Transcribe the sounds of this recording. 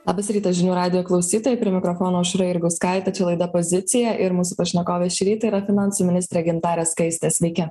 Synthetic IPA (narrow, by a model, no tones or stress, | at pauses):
llˠɑːbɐsɾʲiːt̪ɐsʒʲɪnʲuːɾɑːd̪ʲɪjoːklˠɒʊsʲiːt̪oːjɛɪpʲɾʲiɪɛmʲɪkɾɔfɔːnoːʊʃɾɐɪɾɡʊskɑɪt̪ɐt͡ʃʲɛlˠɐɪd̪ɐpozʲɪt̪sʲɪjɛʔɪɾmuːsʊpɐʃʲnʲɛkoːʋʲeːʃʲɪɾʲiːt̪ɐiɾɐfʲɪnɑˑnsumʲɪnʲɪsʲt̪ɾʲɛɡʲɪnt̪ɑːɾʲeːskɐɪsʲt̪ʲeːsʲʋʲɛɪkʲɛ